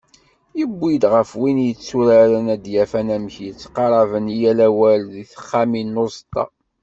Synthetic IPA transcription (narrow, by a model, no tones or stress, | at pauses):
jəbːid̪ʁəfwinjət͡sːuɾaɾənæd̪jæfænæməçjət͡sːqɑɾˤɑvənijælæwælðiθə̥χːæminːʊɾzˤt̪ːɑ̰